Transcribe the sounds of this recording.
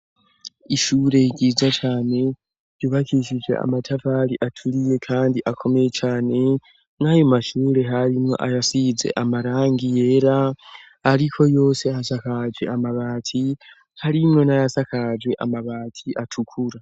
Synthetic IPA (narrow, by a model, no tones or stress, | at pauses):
iʃuːɾe̞iɡiːzat͡ʃaːne̞ | ɾjuβakiʃid͡ʒwe̞̰ʔa̰matʰavaɾiʔatʰuɾije̞kʰaːndiʔakʰo̞me̞jet͡ʃaːne̞ | najomaʃuːɾe̞ɦaɾimŋo̞̰ʔajasiːze̞̰ʔamaɾaːŋɡije̞ːɾaː | ɾikʰo̞jo̞ːse̞hasakad͡ʒwe̞̰amaβaːtʰi | haɾimŋe̞najasakad͡ʒwe̞ʔa̰maβaːtʰiʔatʰukʰuɾa